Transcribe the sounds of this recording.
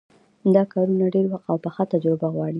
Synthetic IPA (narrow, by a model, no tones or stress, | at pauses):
d̪ɑkɑɾunaɖeɾwaxt̪awpəxat̪ad͡ʒɾɪbaɣwɑɽi